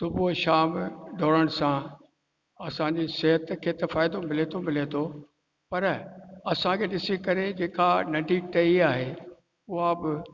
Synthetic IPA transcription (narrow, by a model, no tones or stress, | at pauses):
t̪ʊboʃaːmɖʱoːɽəɽ̃sã | ɐsãɲd͡ʑiseɦət̪kʰeːt̪ɐfaːɪd̪omɪlet̪ʰomɪlet̪ʰo | pɐɾɐsãkʰeːɗɪsikɐɾed͡ʑeːkanɐɖʱiʈɐiaːɦe | ʊɦabɪ